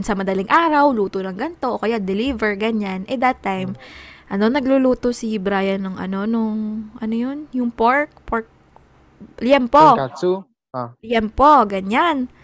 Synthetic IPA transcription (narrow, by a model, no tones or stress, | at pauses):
nsɐmɐd̪ɐliŋʔaːɾɐwluːt̪onɐŋɡɐnt̪o̞ʔokɐjad̪ɛlivɛɹɡɐɲanʔɛd̪ɐt̪ːajmʔɐno̞nɐɡluluːt̪osibɾaːjɐnʊŋʔɐ̰no̞nʊŋʔɐnojonjʊŋpoɹk̚poɹk̚ | ljɛmpo | ljɛmpoɡɐɲan